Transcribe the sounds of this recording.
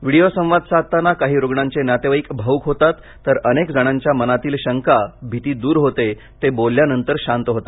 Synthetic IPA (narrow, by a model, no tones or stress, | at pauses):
ʋiɽijosə̃w̃ʋad̪sat̪ːanakaɦiːɾoɡɳaɲt͡ɕenjat̪eʋaiːkbʱəukɦot̪at̪ːəɾənekd͡zəɽ̃aɲt͡ɕjamənat̪iːlɕəŋkabʱit̪iːd̪uːɾɦot̪e | t̪ebolːjanənt̪əɾɕant̪ɦot̪ḁ